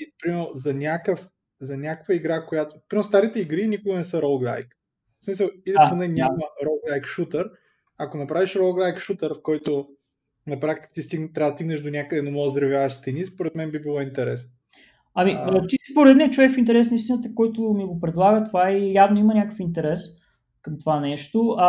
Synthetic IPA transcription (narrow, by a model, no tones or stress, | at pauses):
ipɾimɛɾnozɐnʲakəf | zɐnʲakə̥kvəiɡɾakojat̪o̥pɾimɾst̪aɾit̪ɛiɡɾinikʊɡənɛsəɾɔlˠɡlˠa̰jk | smisəlˠid̪ponɛnʲaməɾɔlˠɡlˠajkʃut̪əɾ | akonɐpɾaviʃɾɔlˠɡlˠajkʃut̪əɾfkɔjt̪o | nɐpɾakt̪i̥kə̥t̪ist̪it̪ːɾad̪st̪iɡnəʃd̪onʲakəd̪ɛnomɔzd̪ɾɐvʲjavəʃt̪ɛnispoɾɛt̪mɛnbibilˠɔint̪ɛɾɛsn | ɐmiot̪isi̥poɾɛd̪niɛt͡ʃʊvɛkfint̪̬ɛɾɛs̬nəist̪inət̪əkɔjt̪ʊmiɡopɾɛd̪lˠaɡət̪ovaijavnoimɐnʲakə̥fint̪ɛɾɛs | kɐmt̪ovanɛʃt̪oɐ